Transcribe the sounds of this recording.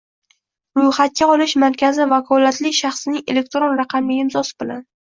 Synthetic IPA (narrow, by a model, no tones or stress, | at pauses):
ɾʊjχat̪̚kʲaɒlˠɪʃmaɾkʲʰazɪvakʰɒlat̪lɪkʲʃaχsɪnɪŋele̞k̚ʲt̪ɾonɾaqʰɑmɪɪmzɒsɪ̥bɪlan